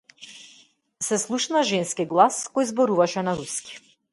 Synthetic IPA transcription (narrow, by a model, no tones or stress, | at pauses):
sɛslˠuʃnaʒɛnskiɡlˠaskɔjzbɔɾuvaʃɛnaɾuski̥